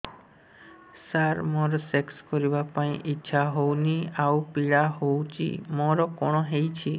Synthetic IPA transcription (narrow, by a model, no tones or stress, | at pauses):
saɾmoɾɔsekskɔɾibapaĩʔitːʃʰaɦowniawpiɽaɦowt͡ʃʰḭmɔɾɔkɔɽ̃ɔɦejt͡ʃʰi